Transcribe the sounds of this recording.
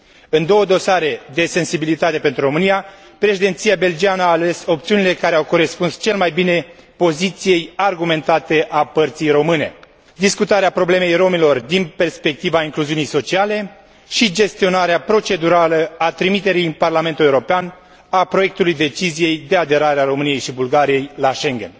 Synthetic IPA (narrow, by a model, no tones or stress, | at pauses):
ɨnd̪o̞wəd̪o̞saɾe̞d̪e̞se̞nsibilit̪at̪e̞pent̪ɾuɾo̞mɨnija | pɾe̞ʃid̪e̞nt̪sijabe̞ld͡ʒianəaːle̞so̞p̚t̪siunile̞kaɾeawko̞ɾe̞spunst͡ʃe̞lmajbine̞po̞zit̪sije̞jarɡume̞nt̪at̪e̞ʔapərt̪sijɾo̞mɨne̞̰ | d̪iskut̪aɾeapɾo̞ble̞me̞jro̞milo̞rd̪inpe̞rspe̞k̚t̪ivaiŋkluziunijso̞t͡ʃiale̞ | ʃid͡ʒe̞st̪io̞naɾeapɾo̞t͡ʃe̞d̪uɾaləat̪ɾimit̪e̞ɾijnparlame̞nt̪ulewuɾopean | apɾo̞je̞k̚t̪ulujd̪e̞t͡ʃizije̞jd̪e̞ad̪e̞ɾaɾeaɾo̞mɨnije̞jʃibulɡaɾije̞jlaʃe̞ŋɡʲe̞n